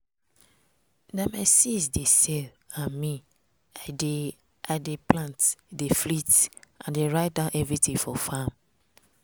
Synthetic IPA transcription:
namaɪsisdesɛl | ãnmĩ | adeplãntdeflitʔãndeɹaɪt̚dãʊ̃nʔɛvɹitĩŋfɔfam

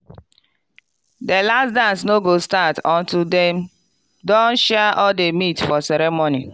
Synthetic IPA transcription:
delastdãnsnoɡostatɔ̃ntudɛm | dɔ̃nʃɛʔɔldemitfɔsɛɾɛmoni

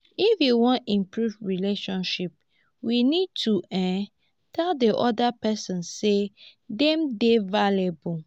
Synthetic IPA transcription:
ifjuwɔ̃nĩmpɹuvɹileʃɔ̃nʃip̚ | winid̚tʰuɛ̃ | tʰɛldeʔɔdapɛsɔ̃nsedɛ̃mdevalebul

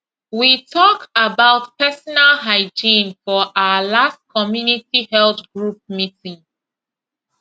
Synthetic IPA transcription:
witʰɔkabaʊtpɛsɔnalɦaɪd͡ʒĩnfɔʔawəlast̚kʰɔmjunitihɛlθɡɹup̚mitĩŋ

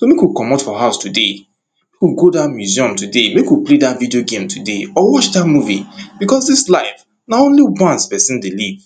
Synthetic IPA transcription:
somekwilkɔmatfɔhaʊstude | mekwilɡodatmjuziɔ̃mtudemekwipledatvidioɡẽmtʰudeɔwɔt͡ʃdatmuvib̥ikɔsdislaɪf | naõnliwãnspɛsĩndeliv

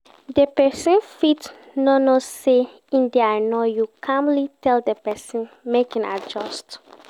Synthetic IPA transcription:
dəpɛsə̃nfit | nɔnose | ĩndɛajnojukʰãmlitʰɛldəpɛsĩn | mekĩna̰d͡ʒɔst

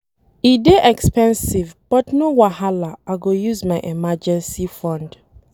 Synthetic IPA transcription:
ideʔɛkspɛ̃nsivb̥ɔtnowahalaaɡojuzmaɪʔɛmad͡ʒɛ̃nsifɔ̃nd

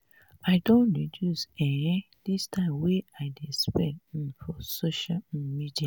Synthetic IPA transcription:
aɪdõnɹidjusɛ | distʰãɪ̃mweaɪdespɛ̃nĩnfɔsoʃalmidia

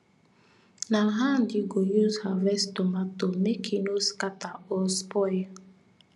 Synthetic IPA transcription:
naɦandiɡojuzhavɛstomatomekʰinoskataɔspɔj

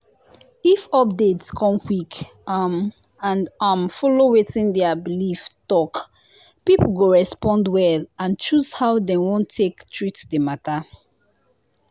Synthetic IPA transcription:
ifɔp̚detskʰɔ̃mkwik | am | ãndamfɔlowetĩndɛabiliftɔk | pipoɡoɹɛspɔ̃ndwɛlãnt͡ʃuzhawdɛ̃wõntʰːektʰɹitdemata

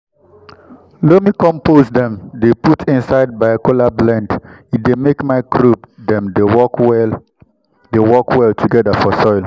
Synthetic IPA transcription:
lomikɔ̃mpozdɛ̃mdeputʰĩnsaɪd̚baɪkolablɛ̃ndidemekmaɪkɾubdɛ̃mdeɔ | dewɔkwɛltʰuɡɛdafɔsɔɪl

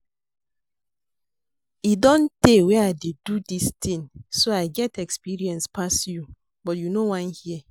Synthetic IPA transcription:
idɔ̃ntewɛaɪdedudistʰĩŋsoaɪɡɛtɛkspiɹiɛ̃nspasju | bɔtjunowãnhiɛ

